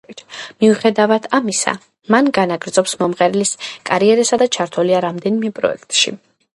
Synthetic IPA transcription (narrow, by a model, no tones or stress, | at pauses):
miuχɛd̪avad̪̥ʰamisa̰ | manɡanaɡɾd̪zɔpsmɔmʁɛɾɛliskʼaɾiɛɾɛsad̪at͡ʃʰaɾt̪ʰɔliaɾamd̪ɛnimɛpʼɾɔ̰ɛ̰kʰt̪ʼʃḭ